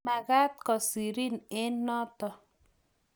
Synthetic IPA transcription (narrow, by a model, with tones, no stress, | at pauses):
ma˨ɡa˦t̪̚kɔ˨si˨ɾi˦nɪ˦nːɔ˦t̪ɔ˨